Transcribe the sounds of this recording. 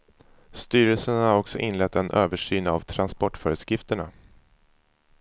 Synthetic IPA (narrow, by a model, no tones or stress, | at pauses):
st̪yːɾəlsənhhaɾɔksɔʔɪnlɛt̪ːɛnʔøːvəʂyːna̰vt̪ʰɾanspɔʈːfœːɾɛt̪skɾɪft̪əɳa